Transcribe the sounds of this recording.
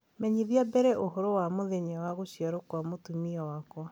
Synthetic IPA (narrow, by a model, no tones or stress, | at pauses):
mɛɲiðiabɛɾɛʔoɦoɾowamoðeɲawaɣoɕiaɾokwamotumiɔwakwɔ